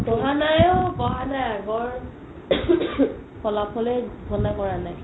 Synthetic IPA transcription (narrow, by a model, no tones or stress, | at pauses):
kɔɦanajɔkɔɦanajaɡɔɹ | kɔlapʰɔlɛɡʱɔnakɔɹanaj